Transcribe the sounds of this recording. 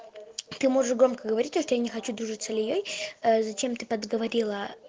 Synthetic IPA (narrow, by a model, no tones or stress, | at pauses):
t̪ɨmo̞ʐɨʂɡɾo̞mkəɡəvɐɾʲit̚ʲt̪oʂt̪ojanʲɪxɐt͡ɕud̪ɾuʐɨt̪səlʲɪjojzɐt͡ɕe̞mt̪ɨpəd̪ɡəvɐɾʲilˠə